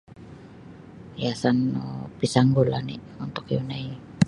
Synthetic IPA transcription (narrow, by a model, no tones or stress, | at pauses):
jasano̰pisaŋɡulani | unt̪ʊkijunai